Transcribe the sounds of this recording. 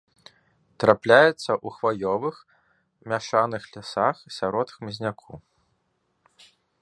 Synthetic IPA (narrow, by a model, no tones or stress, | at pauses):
t̪ɾaplʲajɛt̪sːɐʔuxvajɔvɨx | mʲaʂanɨxlʲasaxsʲaɾɔt̪xmʲɐzʲnʲakʰu